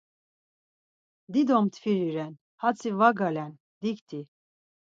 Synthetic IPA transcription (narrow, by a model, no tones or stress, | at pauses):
d̪id̪ɔmt̪ʰfiɾiɾɛn | hat͡sʰivaɡalɛn | d̪ikt̪ʰi